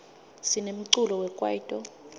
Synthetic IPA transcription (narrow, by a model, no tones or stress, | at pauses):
sinem̩ǀulɔwɛkʼwa̰itʼɔ